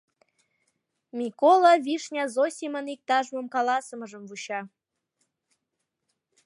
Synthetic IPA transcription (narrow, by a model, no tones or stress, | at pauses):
mʲikolˠɑβiʃnʲɑzosʲimənik̚t̪ɑʒmə̆mkɑlɑsəməʒəmvuɕɑ